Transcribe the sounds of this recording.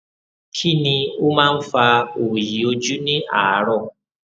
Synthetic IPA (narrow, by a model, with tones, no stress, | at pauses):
kʰi˦nĩ˧o˦mãː˦n̩˦fa˧o˨ji˨o˧d͡ʒu˦nĩ˦a˨a˦ɾɔ˦˨